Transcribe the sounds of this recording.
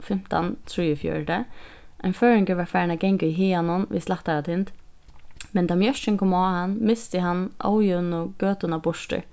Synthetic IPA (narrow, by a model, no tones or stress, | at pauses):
fɪm̥t̪a̰nt̪ʰɹiːjʊfjœ̰ɹɖə | aɪnfœːɹɪŋkəʋaɹfaːɹnaɡɛŋkiɦiːanʊnʋḭslaht̪aɾat̪ʰɪnt̪ | mɛnt̪ʰamjœʃt͡ʃɪnkʰɔːmaːhanːmɪst̪ɪɦanːʔa̰ːwjʊnɔɡ̥øːt̪ʊnabʊʂʈə̰ɹ